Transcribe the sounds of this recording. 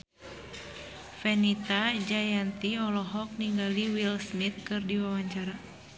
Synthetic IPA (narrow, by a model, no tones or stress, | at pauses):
fɛnit̪ad͡ʒajant̪iɔlɔɦɔk̚niŋɡaliwilsmit̪̚kɨrdiwawaɲt͡ʃaɾa